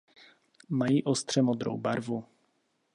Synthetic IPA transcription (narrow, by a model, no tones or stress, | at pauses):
majiʔɔst̪ʂɛmɔd̪ɾɔ̰wbaɾvu